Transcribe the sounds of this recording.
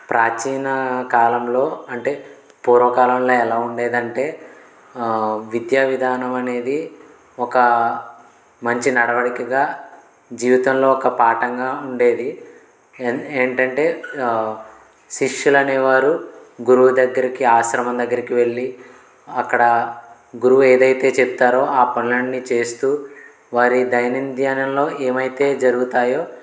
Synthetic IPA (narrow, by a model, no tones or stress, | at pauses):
pɾaːt͡ʃiːnɐkaːlɐmlo̞ːɐɳʈe̞ː | puːɾʋɐkaːlɐmlo̞ːɛlaːuɳɖe̞ːd̪ɐɳʈe̞ː | ʋid̪jaːʋid̪ʱaːnɐmɐne̞ːd̪i | ɔkɐ | mɐɲt͡ʃinɐɽɐʋɐɽikɐɡaː | d͡ʒiːʋit̪ɐmlo̞ːɔkɐpaːʈɐŋɡaːuɳɖe̞ːd̪i | eːɳʈɐɳʈe̞ː | ʃiʂjulɐneːʋaːɾuɡuɾuʋud̪ɐɡːɐɾikiaːʃɾɐmɐnd̪ɐɡːɐɾikiʋe̞ɭːi | ɐkːɐɽɐ | ɡuɾuʋue̞ːd̪ɐjt̪e̞ːt͡ʃeput̪aːɾo̞ːʔaːpɐnlɐɳnːit͡ʃe̞ːst̪uː | ʋaːɾid̪ɐjɐnind̪ʱjaːnɐmlo̞ːʔeːmɐjt̪e̞ːd͡ʒɐɾuɡut̪aːjo̞ː